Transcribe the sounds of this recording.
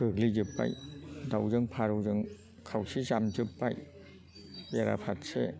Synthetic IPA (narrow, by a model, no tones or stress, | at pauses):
kɯk̚lizɯpːa̰jdawzɯŋpʰaɾɯwzɯŋ | kʰawsisamd͡ʒɯpːaj | beɾa̰pʰat̚se